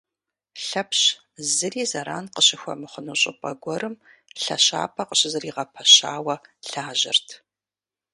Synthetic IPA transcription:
ɬɐpɕ | zɨriːzɐɾa̰ːnqəɕɪxʷɔ̰mɨχənuɕʼɪpʼɐ̰ɡʷɔɾɨm | ɬɐ̰ɕa̰ːpʰɐqəɕʼɪzɨriːʁɐpʰɐɕaːwɐɬaːʑɪ̰rtʰ

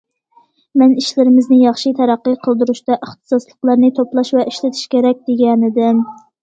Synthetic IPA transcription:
mɛniʃlɪɾɪmɪznɪjɑχʃɨt̪ʰɛɾæqːəqʰəlˠd̪uɾuʃt̪ɑʔəχt̪ɨ̥sɑslˠəqlˠɑɾnɨt̪ʰoplˠɑʃvɛʔiʃlɪt̪ʰi̥ʃkʲeɾɛk̚ʲd̪eɡʲɛnɪd̪ɪm

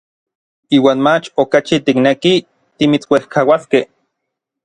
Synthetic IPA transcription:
iːwaːnmat͡ʃokat͡ʃit̪ikneki | t̪imit͡swehkʰawaskeh

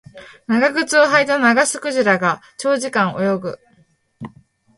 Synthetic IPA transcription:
naɡaɡɯ̟t͡sɨoɦait̪anaɡasɨ̥kɯ̟ʑiɾaɡat͡ɕo̞ːʑikãɰ̃ʔo̞̰jo̞ɡɯ̟̰

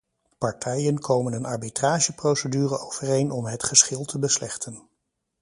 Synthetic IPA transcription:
pɑɹtʰɛjənkʰowmənənɑɹbitraːʒəprowsədyːrəowv̥ərejnɔmɦətχəsχɪlˠtʰəbəslɛχtʰən

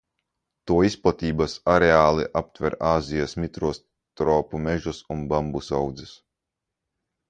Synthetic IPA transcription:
t̪uɔisplˠat̪iːbasaɾeaːlˠiʔap̚t̪vʲɛɾaːzijasmʲit̪ɾuɔs | t̪ɾɔːpumɛʒusunbambusawd̪zɛs

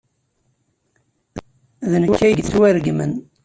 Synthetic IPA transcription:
ðnəkːæjɡθt͡sːwæɾɡmə̰n

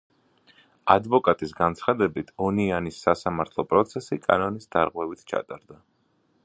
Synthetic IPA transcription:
ad̪vɔkʼat̪ʼisɡant̪sʰχad̪ɛbit̪ʰɔnianisːasamaɾt̪ʰlˠɔpʼɾɔt̪sʰɛsikʼa̰nɔnisd̪̥aɾʁwɛvit̪ʰt͡ʃʰa̰t̪ʼaɾd̪a

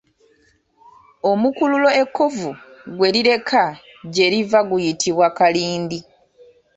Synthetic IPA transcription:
o̞mukululo̞e̞kːo̞vuɡwe̞ɾiɾe̞kʰa | ɟe̞ɾivaɡujitʰiβwakaliːndi

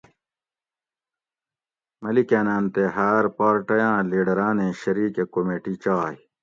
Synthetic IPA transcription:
mɐlikeːnãːnt̪eɦaːɾpaːɾʈɐjãːliːɖɐɾaːnẽɕɐɾiːkekomeːʈit͡ɕaːj

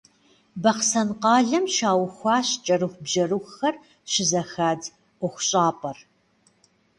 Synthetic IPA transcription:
bɐqsɐnqɑːɮɐmʃaːwxʷɑːɕt͡ʃʼɐɾɨxʷbʒɐruxxɐr | ʃɪzɐxaːd | ʔʷʊxʷʊɕʼɑːpʼɐr

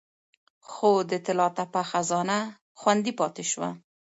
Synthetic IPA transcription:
xod̪ət̪ɪlɑt̪apaxazɑna | xwand̪ipɑt̪eʃwa̰

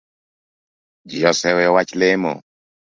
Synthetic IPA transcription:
d͡ʒijɔsɛwɛɔwat͡ʃlemɔ̰

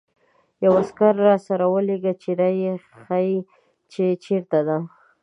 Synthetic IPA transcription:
jawaskaɾːɑsaɾawəleɡat͡ʃeɾaje | xaji | t͡ʃet͡ʃeɾt̪ad̪a

